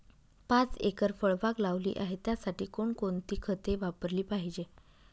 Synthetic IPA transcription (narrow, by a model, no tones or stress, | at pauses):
pat͡sekəɾfəɭʋaklaʋlḭːʔaɦet̪jasaʈiːkoɳkont̪iːkʰət̪eʋapəɾliːpaɦid͡ʑe